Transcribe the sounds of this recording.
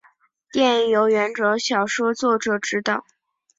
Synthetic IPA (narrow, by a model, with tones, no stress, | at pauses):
t̪jɛ˥˩njo˧˥ʊɥɛ˧˥nʈ͡ʂɤ˧˥ɕjɑ˨˩ʊʂwɔ˥t͡swɔ˥˩ʈ͡ʂɤ˨˩ʈ͡ʂɻ̩˥t̪ɑ˨˩ʊ